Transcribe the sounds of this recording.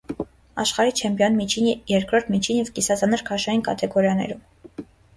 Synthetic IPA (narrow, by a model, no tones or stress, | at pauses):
ɑ̰ʃχɑɾit͡ʃʰɛmpjɔnmit͡ʃʰinjɛɾkɾɔɾt̪ʰmit͡ʃʰinjɛvkisɑzɑnɛɾkʰɑʃɑjinkʰɑt̪ʰɛɡɔɾjɑnɛ̰ɾum